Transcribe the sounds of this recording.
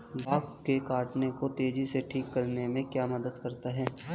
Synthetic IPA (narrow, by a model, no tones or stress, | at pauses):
baːkkekaːʈnekot̪eːd͡ʒiseʈʰiːkːɐɾnemẽkjaːmɐd̪əd̪kɐɾt̪aɦɛː